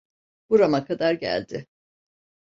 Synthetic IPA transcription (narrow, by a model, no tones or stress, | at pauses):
b̥uɾamakʰad̪aɾɟæ̰lʲd̪ɪ